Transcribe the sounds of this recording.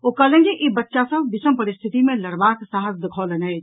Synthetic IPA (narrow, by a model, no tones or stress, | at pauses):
okəlẽd͡ʒiʔibətːʃasəbʋɪsəmpəɾɪst̪ʰɪt̪imẽləɾbaːksaɦəsd̪ɪkʰoːlenɦɛd͡ʒ